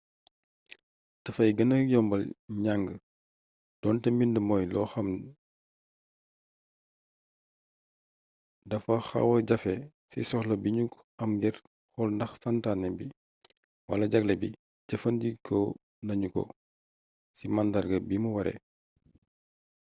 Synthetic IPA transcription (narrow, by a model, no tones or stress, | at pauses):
d̥ɐfɐjɡɐnɐjɔmbɐlɲaŋɡə | d̥ɔːntɛmindəmɔːjlɔːxɐm | dɐfɐxɐ̰wɐɟɐfɛ | sḭsɔxlɐbiɲuk | ɐmɡɛr | xɔlndɐxsantanɛbi | wɐ̰lɐɟɐklɛbi | ɟɐfɐndikʰɔ | nɐɲukɔ̰ | simandalɡɐbimuwɐɾɛ̰